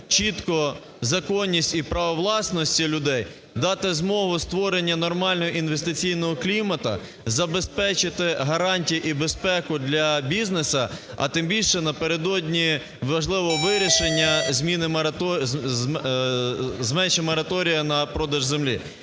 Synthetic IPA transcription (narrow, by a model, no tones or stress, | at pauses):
t͡ʃit̪kɔ | zɐkɔnʲːisʲtʲipɾɐʋɔʋlˠɑsnɔsʲtʲilʲʊd̪ɛj | d̪ɑt̪ɪzmɔɦʊst̪ʋɔɾenʲːɐnɔrmɑlʲnɔɦɔʔinʋest̪ɪt͡sʲijnɔɦɔklʲimɐt̪ɐ̰ | zɐbespɛt͡ʃɪt̪ɪɦɐɾɑnʲtʲijiʔibespɛkʊd̪lʲɐbʲiznesɐ | ɐ̰t̪ɪmbʲilʲʃɛnɐpeɾed̪ɔdʲnʲi | ʋɐʒlˠɪʋɔʋɪɾʲiʃenʲːɐzʲmʲinɪmɐt̪ɔ | zmɛnʃɛmɔɾɐt̪ɔɾʲijɐnɐpɾɔd̪ɐʒzemlʲḭ